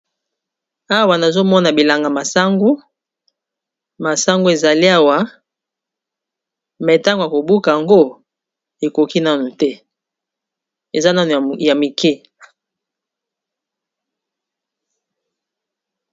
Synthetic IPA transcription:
a˦wa˨na˨zo˦mɔ˦na˨bi˨la˨ŋɡa˨ma˨sa˦ŋɡu˦ | ma˨sa˦ŋɡu˦e˨za˨li˦a˦wa˨ | mɛ˨ta˦ŋɡo˨ja˨ko˨bu˦ka˨ja˨ŋɡo˦ | e˨ko˨ki˦na˦nu˨tɛ˦ | e˨za˦na˦nu˨ja˨mi˨kʰɛ˦˨

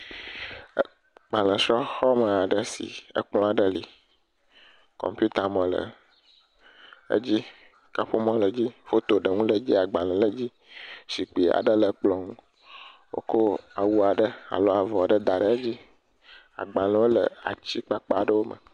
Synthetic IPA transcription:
ɡ͡ba˨lə̃˨sɔ˦xɔ˦mə˨a˨ɖə˦sḭ˨ə̰˦k͡plɔ̃˦a˨ɖə˦li˨ | kɔ̰˨mpju˦t̪a˨mə̃˨lə̰˨ | ə̰˦d͡ʑi˦ | ka˦ɸo˦mɔ̃˦lə˨d͡ʑi˦fo˦t̪o˨ɖə˨ŋũ˦lə˨d͡ʑi˦a˨ɡ͡ba˨lə̃˨lə˦d͡ʑi˦ | ʃi˨k͡pi˨a̰˨ɖə˦lə˨k͡plɔ˨ŋũ˦ | wo̰˦ko˦a˨wu˦a˨ɖə˦a̰˨lo˦a˨vɔ˨ɖə˦d̪a˨ɖə˦ə˦d͡ʑi˦ | a̰˨ɡ͡ba˨lə̃˨wo˦lə̰˨a̰˨t͡ɕi˦k͡pa˦k͡pa˦˨ɖə˦wo˦mə̰˨

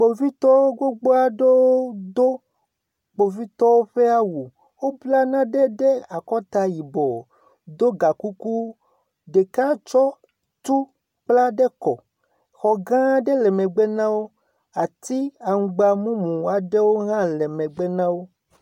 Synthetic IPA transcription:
k͡po˨vi˦t̪ɔ˦wo˦ɡo˦ɡ͡bo˦a˦ɖo˦wo˦d̪o˦ | k͡po˨vi˦t̪ɔ˦wo˦ɸe˦a˦wu˨ | wo˦bla˦nã˦ɖɛ˦ɖɛ˦a˨kɔ˦t̪a˨ji˨bɔ˨ | d̪o˦ɡa˨ku˦ku˦ | ɖe˨ka˦t͡ʃɔ˦ | t̪u˦ | k͡pla˦ɖɛ˦kɔ˨ | xɔ˨ɡã˦ɖɛ˦lɛ˨mɛ̃˨ɡ͡bɛ˦nã˦wo˦ | a˨t̪i˦a˨ŋ̩˨ɡ͡ba˨mũ˦mũ˨a˨ɖɛ˦wo˦ɦã˦lɛ˨mɛ̃˨ɡ͡bɛ˦nã˦wo˦

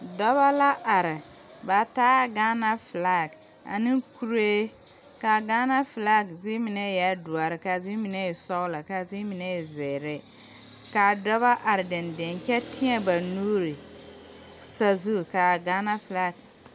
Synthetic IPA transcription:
dɔ˦βa˦la˦ʔa˨ɾɪ˨ | ba˨taː˦ɡa˦na˦fla˦˨ɡ | a̰˨ni˦ku˦ɾe˦ | ka˨ɡa˦na˦fla˦ɡzi˦mi˨nɛ˦˨ja˦du˨a˨ɾɪ˨ka˨zi˦mi˨nɛ˦˨sɔ˦la˨ka˨zi˦mi˨nɛ˦˨zɛ˨ɾɛ˦ | ka˨dɔ˦βa˦ʔa˨ɾɪ˨dɪ˨ndɪ˨nkɛ˦tʰɪ˦ɛ˦ba˨nuː˦ɾi˨ | sa˨zu˦˨ka˨ɡa˦na˦fla˦˨k̚

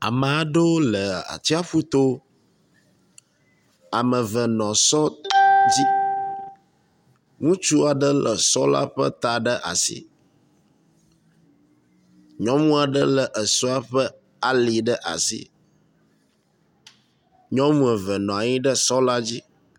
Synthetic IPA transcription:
a̰˨mə̃˨a˨ɖo˦lə˨a̰˨t͡ɕi˦a˦ɸu˦t̪o˦ | a˨mə̃˨və˨nɔ̃˨sɔ˦d͡ʑi˦ | ŋũ˦t͡ʃu˦a˨ɖə˦lə˨sɔ̰˦la̰˦ɸə̰˦t̪a˨ɖə˦ʔa̰˨sḭ˦ | ɲɔ̃˦mũ˦a˨ɖə˦lə˨ʔə˨sɔ˦a˦ɸə˦ | a˨li˨ɖə˦ʔa̰˨sḭ˦ | ɲɔ̃˦mũ˦ɛ˨və˨nɔ̃˨a˨ɲĩ˦ɖə˦sɔ˦la˦d͡ʑi˦

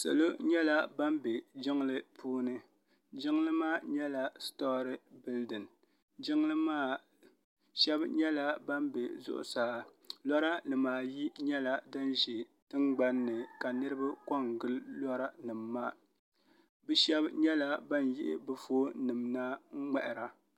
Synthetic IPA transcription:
sɛ̰˨lo˦ɲɛ˦la˦ba˦mbe˨d͡ʒɪ˦ŋlɨ˦pʰuː˦nɨ˦ | d͡ʒɪ˦ŋ˦lɨ˦maː˦˨ɲɛ˦la˨stɔ˦ɾɨ˦bɪ˦ldɨ˨n | d͡ʒɪ˦ŋ˦lɨ˦maː˦˨ | ʃɛ˦bɲɛ˦la˦ba˦mbe˨zʊ̰˦ʔʊ̰˨saː˨˦ | lɔ˦ɾa˦nɨ˨maː˨ji˦ɲɛ˦la˦da˦n˦ʒi˨tɨ˦ŋɡ͡ba˦nːɨ˨ka˨nɨ˦ɾɨ˦ba˦kɔ˦˨ŋɡɨ˦llɔ˦ɾa˦nɨ˨mːaː˦˨ | bɨ˦ʃɛ˦bɲɛ˦la˦ba˦njɪ̰˦ʔɪ̰˨bɨ˦foː˦nɨ˨mna˦ŋ̩˦ŋ͡mɛ˦ʔɪ˨ɾa˨

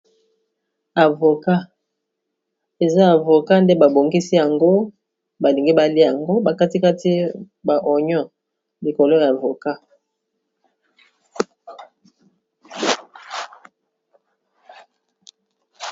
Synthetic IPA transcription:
a˨vo˨ka˦ | e˨za˦a˨vo˨ka˦nde˦ba˨bo˨ŋɡi˦si˦ja˨ŋɡo˦ | ba˨li˨ŋɡi˦ba˨li˦ja˨ŋɡo˦ba˨ka˦ti˦ka˦ti˦ | ba˨ʔɔ˨ɲɔ˦ | li˨ko˨lo˦ja˨vo˨ka˦

